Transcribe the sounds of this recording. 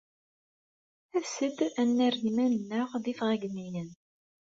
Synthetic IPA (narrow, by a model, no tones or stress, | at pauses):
æsəd̪ænːærɣimænənːəʁðifʁæɡənːijən